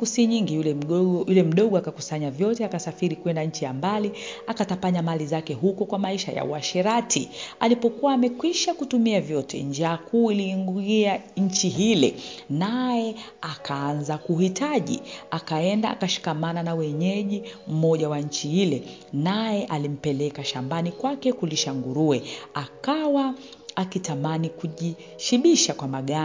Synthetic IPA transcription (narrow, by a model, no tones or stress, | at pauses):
kusiɲiŋɡijulɛɔjulɛm̩ɗɔɠɔakakusaɲavjɔtɛakasafiɾikwɛndaɲ̩t͡ʃijambaliakatapaɲamalizakɛɦukɔkwamaiʃa̰ja̰ṵaʃɛɾatʰialipɔkuwaːmɛkwiʃakutumiavjɔtʰɛ̰nd͡ʒaːkuːiliŋɡuiaɲ̩t͡ʃiɦilɛnajɛakʰaanzakuhitaʄḭakaɛndaʔa̰kaʃi̥kamananawɛɲɛʄim̩mɔʄawaɲ̩t͡ʃihilɛ | najɛʔalim̩pɛlɛkaʃambanikwakɛkuliʃaŋɡuɾuɛakawa | akitamanikuʄi | ʃiɓiʃakwamaɠa